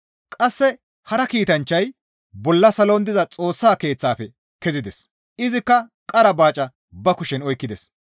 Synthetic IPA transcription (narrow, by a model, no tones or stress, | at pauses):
kʼɐsːɛ | hɐɾɐkiːt̪ɐnt͡ʃːɐj | bɔlːɐsɐloːnd̪ɪzɐt͡sʼo̞ːsːaːke̞ːt͡sːaːfɛ | kɛzɪd̪ɛs | ʔɪzɪkːɐkʼɐɾɐbaːt͡ʃʼɐ | bɐkʊʃɛnɔjkːɪd̪ɛs